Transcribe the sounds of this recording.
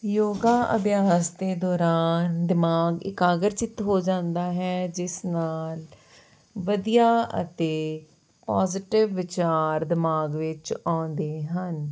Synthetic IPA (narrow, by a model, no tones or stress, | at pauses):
joːɡaːʔə̰bjaːsd̪eːd̪ɔːɾaːnd̪ɪmaːɡɪ̰kaːɡəɾt͡ʃɪt̪ɦoːd͡ʒãːnd̪aːɦɛːd͡ʒɪsnaːl | ʋəd̪ijaːə̰t̪eː | paːzɪʈɪʋːɪt͡ʃaːɾd̪ɪmaːɡʋɪt͡ʃãːnd̪eːɦən